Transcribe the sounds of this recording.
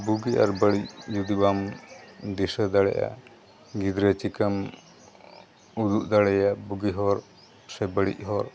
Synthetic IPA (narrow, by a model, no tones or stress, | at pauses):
buɡia̰ɾbəɽic̚jud̪ibam | d̪isəd̪aɽɛ̰ʔa̰ | ɡid̪ɾət͡ʃikəm | ud̪uʔd̪aɽɛjabuɡiɦɔɾ | sɛbəɽḭʔ̚ɦɔɾ